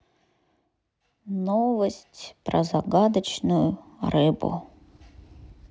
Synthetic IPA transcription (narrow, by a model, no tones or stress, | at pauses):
novəsʲtʲpɾəzaɡad̪ət͡ɕnʊjʊrɨbʊ̰